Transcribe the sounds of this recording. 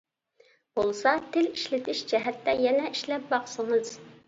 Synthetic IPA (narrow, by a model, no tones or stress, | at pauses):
b̥olˠsɑt̪ʰɪliʃlɪt̪ʰɪʃd͡ʒɛɦɛt̪ːɛjɛnɛʔiʃlɛp̚bɑχsɨŋɨz̥